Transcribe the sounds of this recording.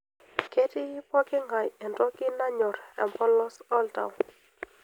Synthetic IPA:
ke˦tɪ˦pɔ˦kɪ˦ŋɡa˨jɛ˨ntɔ˦kɪ˦na˦ɲɔ˨ɾa̰˨mpɔ˦lɔ˦sɔ˦lta̰˨wn

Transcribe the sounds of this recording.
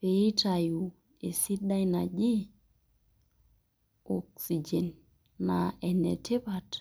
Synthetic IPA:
pe˨ji˦ta˨ju˨ | e˨si˦ɗa˦jna˨d͡ʒi˦ | o˨ksi˨d͡ʒe˨nː | a˨ɛ˨nḛ˨te˦pa˨t

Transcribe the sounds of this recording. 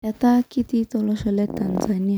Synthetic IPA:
jat̪a˦kit̪it̪ɔ˧lɔ˦ʃɔle˦t̪a˨nzani˦a

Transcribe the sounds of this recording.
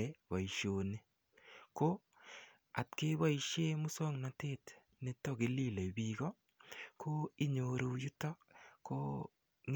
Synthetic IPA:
wa˨i˨ʃo˨ni˦ | ko˦ | a˨tke˦wa˦i˨ʃe˦mʊ˦sɔ˦ŋna˨te˦˨t | ne˦tɔ˦ɡe˨li˦le˨biɡɔ˦ | kʰo˦i˦ɲo˨ɾo˨˦ju˦tɔ˦ | ko˦ | ŋ

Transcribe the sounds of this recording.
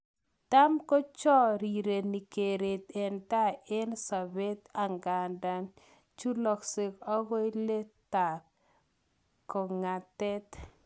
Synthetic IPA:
ta˦mkɔ˦t͡ʃɔ˦ɾi˨ɾe˨ni˨ke˨ɾe˨t̪ɛ˨nta˦e˦nsa˨be˦t̪a˨ŋɡa˨nda˦n | t͡ʃu˦lɔ˨ksɪ˨kɔ˦ɡɔ˦jle˦t̪a˨t̚ | ko˨ŋa˨tɛ˦t

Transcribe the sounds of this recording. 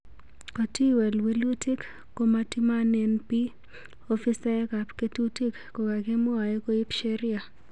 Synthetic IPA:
kɔ˨ti˦wɛ˨lwi˦lu˦ti˦k | ko˦ma˦ti˦ma˦nɛ˨˦npi˦ | o˦fi˦sɛ˦ka˨pke˦tu˦ti˦kko˨ka˨ɡe˦mʊ˦a˨e˦ko˦i˦pʃe˦ɾɪ˦a˨

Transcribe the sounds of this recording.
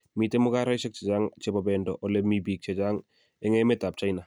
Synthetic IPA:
mi˨temʊ˦ka˦ɾa˦jsɛ˦k̚t͡ʃe˨d͡ʒaŋt͡ʃɛba˨bɛndɔʔɔle˦mibiː˨k̚t͡ʃe˨d͡ʒaŋ | ɛ˦ŋemeta˨p̚t͡ʃa˦jna˨

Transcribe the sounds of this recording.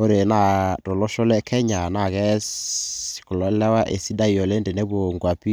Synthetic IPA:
o˦ɾe˨na˦˨tɔ˨lɔ˦ʃɔ˦lɛ˦kʰɛ˦ɲa˨na˦˨kɛ˦si̥˨kɔ˨lɔ˨˦lɛ˦wa˦ʔe˨si˦da˦i˨ɔ˨le˦nde˨nɛ˦bo˨ŋɡwa˨pi˦

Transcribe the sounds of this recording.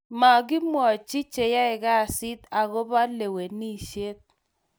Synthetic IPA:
ma˨ɡɪ˦mwɔ˨t͡ʃi˦t͡ʃe˨ja˦ɪ˨ɡa˦˨sɪ˦t̪a˨ɣo˦ba˦le˨we˨ni˦˨ʃe˦t̪̚

